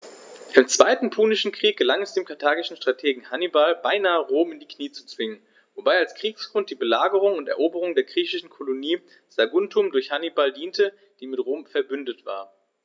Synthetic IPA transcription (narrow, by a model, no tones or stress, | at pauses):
ʔɪmt͡sv̥aɪtn̩pʰuːnɪʃn̩kʁ̥iːk̚ɡ̥əlaŋɛsd̥eːmkʰaɐtʰaːɡɪʃn̩ʃtʁ̥atʰeːɡŋ̩hanibalbaɪnaːəʁoːmɪndiːkniːt͡su̥t͡sv̥ɪŋən | vobaɪalskʁ̥iːksɡ̥ʁʊnt̚d̥iːbəlaːɡəʁ̞ʊŋʊntɛ̰ɐʔoːbəʁʊŋdeːɐɡʁiːçɪʃn̩kʰoloniː | z̥aɡʊntʰʊmdʊɐçhanibaldiːntʰə | d̥iːmɪtʁoːmfɛɐbʏndətv̥a̰ːɐ